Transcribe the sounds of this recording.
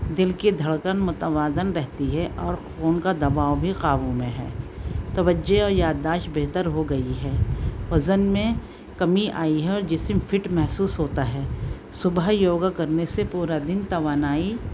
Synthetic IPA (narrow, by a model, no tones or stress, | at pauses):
d̪ɪlked̪ʱɐɭkənmʊt̪əʋaːd̪ənɾɛɦt̪iɦɛʔɔːɾxoːnkad̪ɐbaːwbʱiqaːʋũmẽɦɛːt̪ɐʋəd͡ʒːeɔːɾjaːd̪ːaːʃʈbeɦt̪əɾɦoɡɐiɦɛːʋɐzənmẽ | kɐmiʔaːiɦɛɔːɾd͡ʒɪsmfʰɪʈmɛɦsuːsɦoːt̪aɦɛː | sʊbəɦjoːɡakɐɾnesepuːɾad̪ɪnt̪ɐʋaːnaːi